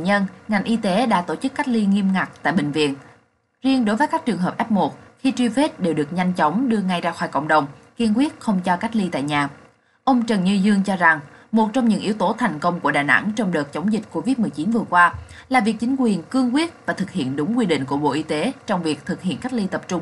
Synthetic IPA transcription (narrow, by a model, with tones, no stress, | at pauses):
ɲə˧nŋa˨˩ŋ̟ʔi˧t̪e˨˦ɗa̰ː˧˥t̪o˧˩t͡ɕɨ˦˥kːa˦˥jk̚li˧ŋi˧əmŋa˨˩k̚t̪a̰ː˧˨jɓï˨˩ŋ̟vḭ˧˨ən | zi˧əŋɗo˨˦jvəː˨˦jkaː˦˥k̚t͡ɕɨ˨˩əŋɦəː˨˩p̚ʔɛ˦˥p̚mo˨˩t̚xi˧t͡ɕwi˧fe˦˥t̚ɗe˨˩wɗɨ˨˩ək̚ɲa˧jŋ̟t͡ɕɔ˨˦wŋ͡mɗɨ˧əŋa˧jzaː˧xwɔː˧˩jkə̰˧˨wŋ͡mɗə˨˩wŋ͡mki˧ŋkwi˦˥ət̚xə˧wŋ͡mt͡ɕɔ˧ka˦˥k̚li˧t̪a̰ː˧˨jɲaː˨˩ | ʔə˧wŋ͡mt͡ɕə˨˩ŋɲɨ˧zɨ˧əŋt͡ɕɔ˧za˨˩ŋmo˨˩t̚t͡ɕɔ˧wŋ͡mɲɨ̰˧˥ŋʔi˨˦əwt̪o˨˦t̪ʰa˨˩jŋ̟kə˧wŋ͡mku˧˩əɗaː˨˩na̰˧˥ŋt͡ɕɔ˧wŋ͡mɗəː˨˩t̚t͡ɕə˨˦wŋ͡mzï̟˨˩ko˧vi˦˥t̚mɨ˨˩əjt͡ɕi˨˦nvɨ˨˩əkwaː˧laː˨˩vi˨˩ək̚t͡ɕï˨˦ŋ̟kwi˨˩ənkɨ˧əŋkwi˦˥ət̚vaː˨˩t̪ʰɨ˨˩k̚hḭ˧˨ənɗʊ˨˦ŋ͡mkwi˧ɗḭ˧˨ŋ̟ku˧˩əɓo̰˧˨ʔi˧t̪e˨˦t͡ɕɔ˧wŋ͡mvi˨˩ək̚t̪ʰɨ˨˩k̚hḭ˧˨nka˦˥k̚li˧t̪ə˨˩p̚t͡ɕʊ˧ŋ͡m